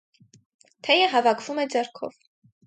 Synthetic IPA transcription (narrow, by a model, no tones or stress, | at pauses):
t̪ʰɛjəɦɑvɑkʰv̥umɛd͡zɑɾkʰɔ̰v